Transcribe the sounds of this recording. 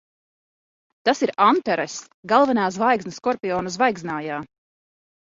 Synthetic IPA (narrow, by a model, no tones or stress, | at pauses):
t̪asiɾant̪ɛɾɛs | ɡalˠvɛnaːs̬vajɡznɨskɔɾpʲiɔːnɐsvajɡznaːjaː